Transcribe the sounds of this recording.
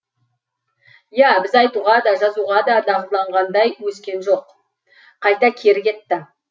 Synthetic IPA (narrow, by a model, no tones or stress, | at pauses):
jæbɪzɑjt̪uʁɑd̪ɑʒɑzuʁɑd̪ɑd̪ɑʁəzlˠɑɴʁɑnd̪ɑjwɵskʲe̞nʒo̞q | qʰɑjt̪ɑkʲʰe̞ɾɪkʲe̞t̪ːɪ